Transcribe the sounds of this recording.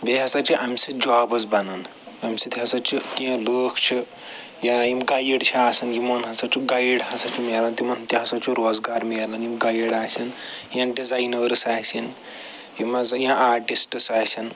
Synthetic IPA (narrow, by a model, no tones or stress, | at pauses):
beɦɐsɐt͡ʃʰiʔamsid͡ʒaːbɐzbɐnɐn | ɐmsit̪ʰiɦɐsɐt͡ʃʰik̪iãloːkʰt͡ʃʰi | jaimɡajiɽt͡ʃʰiaːsɐnjimɐnɦɐsɐt͡ʃʰiɡajiɽɦɐsɐt͡ʃʰimelɐnt̪imɐnt̪iɦɐsɐt͡ʃʰuɾoːzɡaːɾmilɐnimɡajiɽaːsinjãːɖizajnəːɾsaːsin | jimɐzɐjãʔaːɾʈisʈsaːsʰin